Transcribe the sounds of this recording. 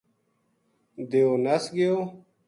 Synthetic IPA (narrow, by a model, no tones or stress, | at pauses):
d̪eoːnəsɡɪjoː